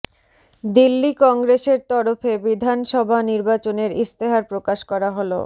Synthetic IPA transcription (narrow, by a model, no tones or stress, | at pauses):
d̪ilːikɔŋɡɾeʃeɾt̪ɔɾofebid̪ʱanʃɔbʱaniɾbat͡ɕoneɾist̪eɦaɾpɾokaʃkɔɾaɦolo̰